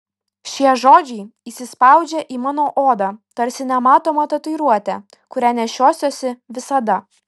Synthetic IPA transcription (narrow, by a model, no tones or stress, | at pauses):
ʃʲiɛʒoːd͡ʒʲɛɪiːsʲɪspɑˑʊd͡ʒʲɛʔiːmɑːnoːʔoːd̪ɑt̪ɐɾʲsʲɪnʲɛmɑːt̪oːmɐt̪ɐt̪ʊɪɾuɔt̪ʲɛ | kʊɾʲæːnʲɛʃʲoːsʲoːsʲɪʋʲɪsɐd̪ɐ